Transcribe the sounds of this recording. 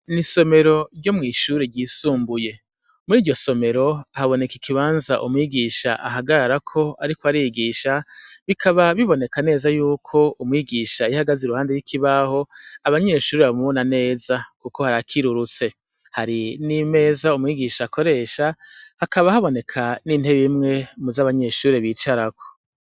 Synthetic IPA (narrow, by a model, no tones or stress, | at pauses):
niso̞me̞ɾo̞ɾɟo̞mŋiːʃuːɾeɟiːsuːmbuje̞ | muɾiːɟo̞so̞me̞ɾo̞ahaβo̞ne̞kikʰiβaːnzaʔumŋiɡiʃa̰ʔa̰ɦaɡaɾaɾakʰo̞aɾikoaɾijɡiːʃaβikʰaβaβiβo̞ne̞kane̞ːzajuːkʰo̞umŋiɡiːʃaihaɡaziɾuhaːndejwikʰiβaho̞aβaɲe̞ʃuːɾeβamuβonane̞ːzakuko̞haɾakʰiɾuɾut͡se̞ | haɾinime̞ːzaumŋiːɡiʃaːkʰo̞ɾe̞ːʃahakaβahaβo̞ne̞kʰaninhe̞βimŋe̞muzaβaɲe̞ʃuːɾeβiːt͡ʃaɾakʰo̞̥